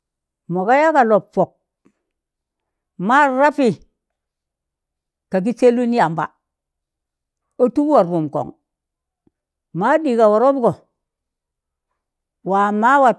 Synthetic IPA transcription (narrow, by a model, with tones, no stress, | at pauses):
mo˨ka˦ja˦ka˨lo˨pfo˨k̚ | ma˦ɾa˦pi˨ | ka˨k̬i˦t͡ʃe˦lu˦ni˦ja˨mba̰˨ | o˦tu˦ba˨ɾɾu˨mko̰˨ŋ | ma˦di˨ka˨wo˨ɾo˦bko˨ | wa˨ma˦wa˨